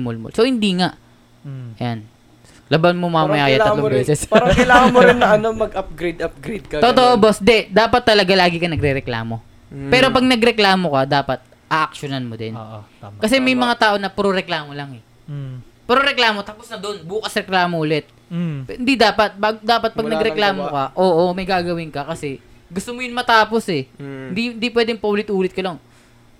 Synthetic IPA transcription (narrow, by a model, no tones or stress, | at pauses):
molmo̰lsohɪnd̪iːŋaʔ | jan | lɐbanmomamɐjakɐjaːɐlobɛːsɛsaɾɐkɐjlaːŋɐmoɾɪnːɐɐnɐmɐɡʔɐp̚ɡɾejd̪ɐp̚ɡɾejd̪̚kɐot̪oʔobosd̪ɛd̪aːpɐt̪ːɐlɐɡalaːɡɪkɐnɐɡɾɛɾɛkla̰ːmo̞ | pɛːɾo̞pɐɡ̚nɐɡɾɛklaːmo̞kɐd̪aːpɐt̪̚ | ʔɐʔɐk̚ʃonanmod̪ɛ̰nkɐs̬ɛmɐjmɐŋat̪aːʔo̞nɐpɾoɾɛklaːmolɐŋɛ | pɾoɾɛklaːmo̞t̪ɐposnɐd̪o̞nbuːkɐsɾɛklaːmoʔʊlɛt̪̚ | phɪnd̪id̪aːpɐt̪̚baɡd̪aːpɐt̪̚pɐɡnɐɡɾɛklaːmokɐʔoːʔomɐjɡaːɡɐwɪŋkɐkɐsɛ | ɡʊst̪omojʊŋmɐt̪aːpo̞sɛhɪnd̪iɪnd̪ipwɛːd̪ɛŋpɐʔʊlɪt̪ʔuːlɪt̪̚kɐlɐŋ